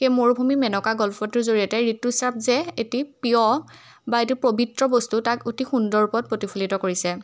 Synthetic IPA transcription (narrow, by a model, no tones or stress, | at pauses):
xejmoɹbʱumimɛnɔkaɡɔlpʰɔtuɹzoɹijɔtɛɹitːusap̚ʰzɛetipiɔ | baetipɹobʱitɹɔbɔstutakotixundɔɹupɔt̚pɹotipʰulitɔkoɹisɛ